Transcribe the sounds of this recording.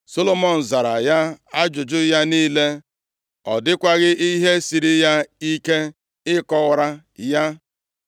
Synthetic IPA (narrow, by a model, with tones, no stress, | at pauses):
so˦lo˦mɔ˨n̩˨za˨ɾa˨ja˦a˦d͡ʒʊ˨d͡ʒʊ˦ja˦niː˦le˦ | ɔ˨dɪ˦kʷa˦ɣɪ˦ʔi˦ɦe˦si˨ɾi˦ja˦i˦ke˦ | ɪ˦kɔ˦˨ɾa˦ | ja˦